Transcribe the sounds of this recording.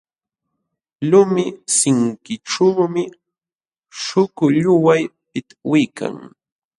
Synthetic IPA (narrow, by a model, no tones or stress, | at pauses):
lʊmɪsɪŋkɪʈ͡ʂuːmɪ | ʃʊkʊʎʊwajp̚ɪt̪ḁwɪjka̰ŋ